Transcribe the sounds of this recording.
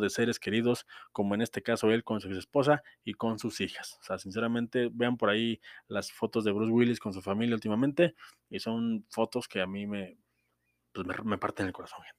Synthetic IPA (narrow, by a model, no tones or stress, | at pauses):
ðe̞se̞ɾe̞ske̞ɾiðo̞sko̞mo̞e̞ne̞st̪e̞kaso̞e̞lko̞nsusespo̞s̬aiko̞nsusixḁso̥seasins̬e̞ɾamẽ̞nt̪e̞be̞ampo̞ɾailasfo̞t̪o̞zðeβɾuzɣwilisko̞ns̬ufamiljault̪̬imament̪e̞ | iso̞nfo̞t̪o̞ske̞amime̞ | pwesmḛme̞paɾt̪ene̞lko̞ɾaso̞nxent̪